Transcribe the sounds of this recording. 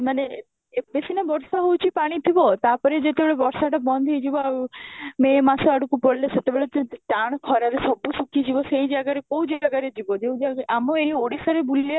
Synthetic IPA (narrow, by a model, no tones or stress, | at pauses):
mane | besinabɔɾsaɦowt͡ʃʰipaɽ̃it̪ʰibɔt̪apɔɾed͡ʒet̪ebeɭebɔɾsaʈabɔnd̪ʱid͡ʒibɔ | memasɔaɽukupɔɽleset̪ebeɭet̪eʈaɽ̃kʰɔɾaɾesɔbusukʰid͡ʒibɔsejd͡ʒaɡaɾekowd͡ʒeaɡaɾed͡ʒibɔd͡ʒew̃d͡ʒaɡʔamɔeɾioɽisaɾebulia